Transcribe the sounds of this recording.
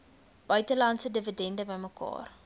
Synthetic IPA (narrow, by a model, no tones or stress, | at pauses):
b̥œɥtəlɐntsədəvədɛndəbəjməkɑ̰ːr